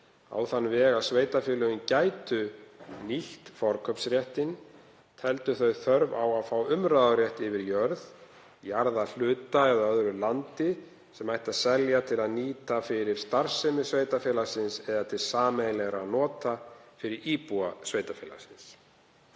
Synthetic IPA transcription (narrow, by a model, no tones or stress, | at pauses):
a̰ːwθanːvɛːɣaðsveːjt̪afɪːlʏʏncaːjt̪ʏniht̪fɔɾkʰœpsɾjɛht̪ɪn | t̪ʰɛlt̪ʏθœɥθœɾvawaðfaːwʏmɾaːðaɾjɛht̪ɪvɪɾjœɾð | jaɾðal̥ʏːt̪aɛðaœðɾʏlant̪ɪ | sɛmajht̪aðsɛljat̪ʰɪlaðniːt̪afɪɾɪɾ̥st̪aɾ̥sɛmʏsveːjt̪afjɛːlasɪnsɛðat̪ʰɪlsaːmɛlɛɣɾaðnɔːt̪afɪɾɪɾiːpuasveːjt̪afjɛːla̰̥sɪns